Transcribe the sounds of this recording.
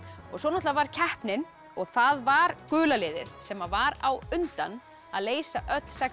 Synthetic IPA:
ɔɣswɔːnat̪lavaɾ̥cʰɛhpnɪn | ɔɣθaðvaɾkʏːlalɪːðɪ̰ðsɛmavaɾawʏnt̪a̰n | a̰ðleːjsaʔœt̪l̥sɛ

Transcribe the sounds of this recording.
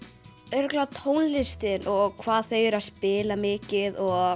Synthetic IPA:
œɾʏklat̪ʰownlɪst̪ɪnʔɔɣkʰvaːðθœɥjʏɾaðspɪːlamɪːcɪðɔɣɣ

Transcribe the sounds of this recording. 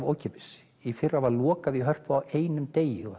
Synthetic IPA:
voːwcʰɛpɪ̥s | ifɪrːavaɾlɔːkaðiɦœr̥pʏawʔeːjnʏmt̪eːjɪɔ

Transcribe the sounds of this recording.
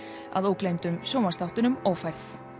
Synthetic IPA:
a̰ðowklejmt̪ʏmsoːwmast̪awht̪ʏnʏmɔwfajɾθ

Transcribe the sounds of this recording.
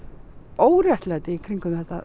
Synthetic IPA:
oːwrjajht̪lɛt̪ɪikʰɾiŋkʏmɛht̪a̰

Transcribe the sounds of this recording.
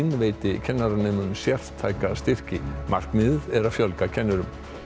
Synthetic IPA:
nveːjt̪ɪcʰɛnːaɾaneːmʏnsjɛr̥t̪ʰːaːjkast̪ɪr̥cɪma̰r̥kmɪððɛɾaðfjœlkacʰɛnːʏɾʏm

